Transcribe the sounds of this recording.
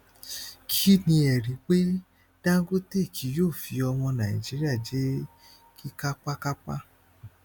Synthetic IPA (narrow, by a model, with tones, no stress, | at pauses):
kʰi˦nĩ˧ɛ˨ɾi˨˦k͡pe˦ | d̥ã˦ɡo˦te˦˨kʰi˨˦joː˦˨fi˨˧˦ɔ˧w̃ɔ̃˧nã˨i˨d͡ʒi˨˦ɾi˦a˦˨d͡ʒe˨˦ | ki˦ka˦k͡pa˦ka˦k͡pa̰˦